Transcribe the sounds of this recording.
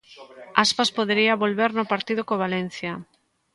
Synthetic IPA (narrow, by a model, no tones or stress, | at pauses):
aspaspoðeɾiaβolβeɾnʊpaɾt̪iðʊkoβalen̟θja